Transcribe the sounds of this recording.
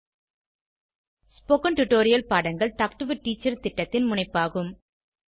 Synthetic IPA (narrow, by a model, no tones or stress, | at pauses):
spoːkɐnʈʊʈːoːɾɪjɐlpaːɽɐŋɡɐɭʈɐːk̚ʈɯʋɐʈːiːt͡ʃːɐɾt̪ɪʈːɐt̪ːɪnmʊɳɐɪpːaːɣɯm